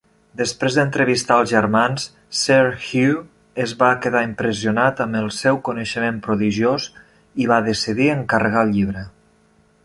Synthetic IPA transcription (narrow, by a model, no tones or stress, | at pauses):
d̪əspɾezd̪ənt̪ɾəβist̪aəlˠzʒəɾmans | sːɛɾxju | əzβakəðaimpɾəziunat̪əməlˠsɛwkunəʃəmempɾuðiʒioz | iβaðəsiðiəŋkərəɣ̞alˠʎiβɾə